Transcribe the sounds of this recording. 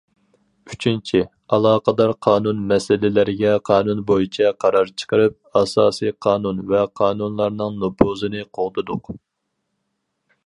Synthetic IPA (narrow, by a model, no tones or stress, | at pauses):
yt͡ʃʰint͡ʃʰi | ɑlˠɑːqəd̪ɑɾqʰɑːnunmɛsɪlɪlɪɾɪɡʲɛqʰɑːnunbojit͡ʃʰɛqʰɑɾɑɾt͡ʃʰə̥qəɾɨp̚ɑsɑːsijqʰɑːnunvɛqʰɑːnunlˠɑɾnɨŋnopʰuzɨnɨqʰoʁd̪ɨd̪ʊq